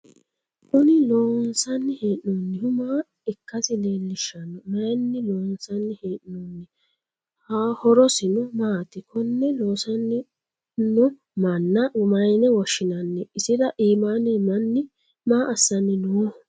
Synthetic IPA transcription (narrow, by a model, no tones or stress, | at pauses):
kʊnɪloːnsɐnːɪheːʔnonːɪhʊmaː | ɪkːɐsɪleːlːɪʃːɐnːɔmɐjnːɪloːnsɐnːɪheːʔnonːɪ | haːhɔɾɔsɪnɔmaːt̪ɪkʰɔnːɛloːsɐnːɪ | nɔ | mɐnːɐmɐjnɛwɔʃːɪnɐnːɛɪsɪdɐʔiːmaːnɪmɐnːɪ | maːʔɐsːɐnːɪno